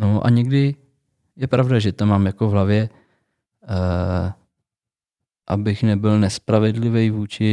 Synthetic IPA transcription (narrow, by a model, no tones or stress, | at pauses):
noʔa̰ɲɛɡdɪ | jɛpɾavdaʒɛt̪omaːmjakovɦlavjɛ | ʔabɪxnɛbɪlnɛspɾavɛdlɪvɛjvuːt͡ʃɪ